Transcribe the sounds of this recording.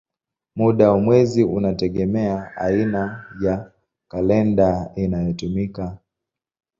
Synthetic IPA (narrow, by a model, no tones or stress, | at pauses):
muɗawamwɛziunatɛɠɛmɛaainaja | kalɛndainajɔtumika